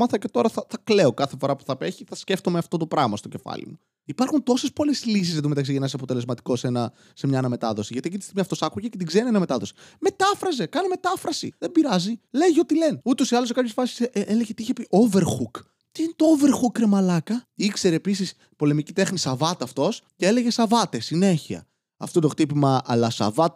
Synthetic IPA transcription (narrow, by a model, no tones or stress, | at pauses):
mɐθɐce̞t̪o̞ɾɐθɐθɐkle̞o̞kɐθefo̞ɾɐpu̥θɐpeçiθɐsce̞ft̪omeɐft̪o̞t̪o̞pɾɐɣmɐst̪oce̞fɐ̰lḭmu | ipɐɾxunt̪o̞sespo̞leslis̬izðed̪omet̪ɐksiʝenɐs̬ɐpo̞t̪ele̞zmɐt̪i̥kosenɐ | se̞mɲɐnɐme̞t̪ɐðo̞siʝɐt̪iecit̪ist̪imiɐft̪o̞sɐkuʝecet̪iɡze̞ɾinienɐme̞t̪ɐðo̞si̥me̞t̪ɐfɾɐze̞kɐneme̞t̪ɐfɾɐsḭðembiɾɐzile̞ʝio̞t̪ile̞nut̪o̞siɐlosekɐpçesfɐsi̥seleʝet̪iiçepiʔove̞ɾxuk | t̪iinet̪o̞ove̞ɾxukːɾemɐlɐkɐikse̞ɾeːpisis | po̞le̞micit̪e̞xnisɐvɐt̪ɐft̪o̞sceele̞ʝesɐvɐt̪esine̞çiɐ̰ | ɐ̰ft̪ot̪o̞xt̪ipimɐɐlɐsɐ̰vɐt̪